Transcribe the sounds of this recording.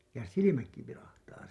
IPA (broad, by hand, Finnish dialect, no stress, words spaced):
jɑ silimækːi ʋilɑhtɑː